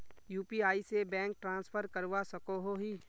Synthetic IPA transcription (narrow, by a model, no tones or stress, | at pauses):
juːpiaːisebɛ̃ːŋk̚ʈɾãːnspʰəɾkɐɾʋasɐkoɦoɦiː